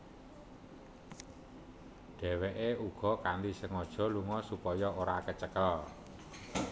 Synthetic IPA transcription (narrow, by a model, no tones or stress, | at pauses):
ɖ̥ɛ̤weʔeuɡ̥ɔ̤kand̪isəŋɔd̥ʒ̥ɔ̤luŋɔsupɔjɔoɾakət͡ʃəkəl